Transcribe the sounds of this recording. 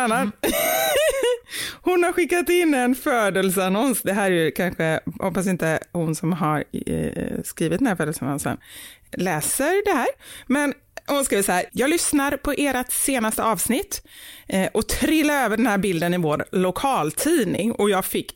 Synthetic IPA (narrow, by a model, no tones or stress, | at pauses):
anːa | hʊnhaɾɧɪkːat̪ɪnːɛnføːd̪əlsanɔnsd̪ɛɦæːɾɛɾjɵkʰanɧəhɔpːas̬ɪnt̪əhʊnsɔmɦaɾ | skɾiːvɪt̪ənhæɾfœːd̪əlsanɔ̰nsə̰nlɛːsəɾɖɛɦæːɾmɛn | hʊnskɾiːʋvəsahæːɾjɑːɡlʏsnaɾpʰɔʔeːɾat̪seːnast̪əɑːvsnɪt̪ː | ʔɔt̪ʰɾɪlːaɾøːvəɖɛnhæːɾbɪld̪ənɪvoːɾlʊkʰɑːlt̪ʰiːnɪ̰ŋɔjɑːɡfɪkː